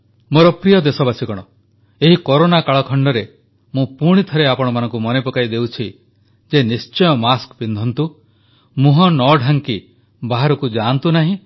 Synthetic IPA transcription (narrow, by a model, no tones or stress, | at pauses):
moɾɔpɾijɔd̪esɔbasikɔɽ̃ɔ | eɦikɔɾonakaɭɔkʰɔɳɖɔɾe | mũpuɽ̃it̪ʰɔɾeapɔɽ̃ɔmanɔ̃ŋkumɔnepɔkaid̪ewt͡ʃʰi | d͡ʒenist͡ʃɔjɔmaskpind̪ʱɔnt̪u | mũɦɔnɔɖʱaŋki | baɦaɾɔkud͡ʒant̪unaɦĩ